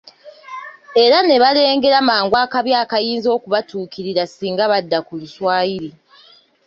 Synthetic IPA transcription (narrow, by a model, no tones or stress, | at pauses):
e̞ɾane̞βale̞ːŋɡe̞ɾamaːŋɡwaːkaβjaːkajiːnzo̞ːkuβatuːkiɾiɾasiːŋɡaβadːakuluswaːjiɾi